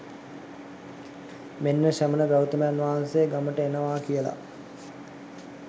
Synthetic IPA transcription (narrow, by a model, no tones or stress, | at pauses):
menːəʃæmənəbæwut̪əməjanʋaɦansejəɡaməʈəenəʋaːkijəla̰